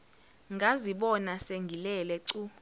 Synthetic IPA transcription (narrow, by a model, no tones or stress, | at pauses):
ŋɡʱaziɓɔnaseŋɡʱilɛlɛǀu